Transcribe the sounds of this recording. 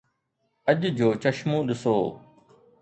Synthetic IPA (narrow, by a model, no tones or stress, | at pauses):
əʄd͡ʑʱoːt͡ʃəʃmõːɗɪsoː